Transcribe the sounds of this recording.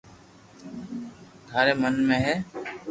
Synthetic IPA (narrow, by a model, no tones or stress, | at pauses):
d̪ʱaːɾeːmənmẽːɦɛː